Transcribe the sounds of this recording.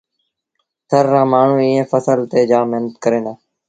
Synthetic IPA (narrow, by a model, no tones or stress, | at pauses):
sʰəɾːãːmaːɳ̤ũːiːẽːfəsəlt̪eːd͡ʒaːməɦnət̪kəɾẽːnd̪aː